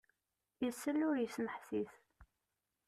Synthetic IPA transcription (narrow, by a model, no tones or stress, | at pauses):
jəsːəlːʊɾjəsnəħθiθ